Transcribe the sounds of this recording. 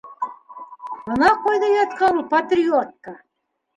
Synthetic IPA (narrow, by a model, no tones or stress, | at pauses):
ɤ̆nɑqojd̪ɑjɑt̪kɑɾupat̪rʲiot̪̚kɑ